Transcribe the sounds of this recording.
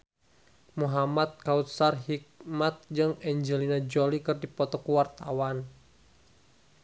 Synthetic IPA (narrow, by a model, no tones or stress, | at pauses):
muɦamat̪̚kaut̪sarɦik̚mat̪̚d͡ʒɨŋɛɲd͡ʒəlinad͡ʒolikɨrdipɔt̪ɔkuwart̪awan